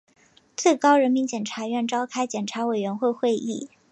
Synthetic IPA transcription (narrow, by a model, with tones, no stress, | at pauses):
t͡swe˥˩ɪkɑ˥ʊɻə˧˥nmi˧˥nt͡ɕjɛ˨˩nʈ͡ʂʰa˧˥ɥɛ˥˩nʈ͡ʂɑ˥ʊkʰa˥ɪt͡ɕjɛ˨˩nʈ͡ʂʰa˧˥we˨˩ɪɥɛ˧˥nxwe˥˧ɪxwe˥˧ɪʔi˥˩